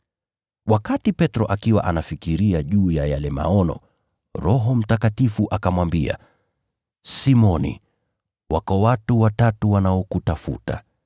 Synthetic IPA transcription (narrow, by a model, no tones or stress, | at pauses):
wakatipɛtɾɔʔakiwa̰ʔanafikiɾiaʄuːjajalɛma̰ɔnɔ̰ | ɾɔɦɔm̩takatifuʔakamwambia̰ | simɔnḭ | wʔakɔwatuwatatuwanaɔkutafṵta̰